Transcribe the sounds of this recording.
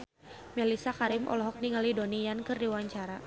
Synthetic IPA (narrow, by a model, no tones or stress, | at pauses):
mɛlisakaɾimʔɔ̰lɔɦɔk̚niŋalidonijankɨrdiwaɲt͡ʃaɾa